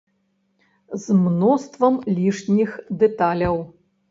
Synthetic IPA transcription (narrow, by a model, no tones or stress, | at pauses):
zmnɔst̪vɐmlʲiʂnʲixd̪ɛt̪alʲɐw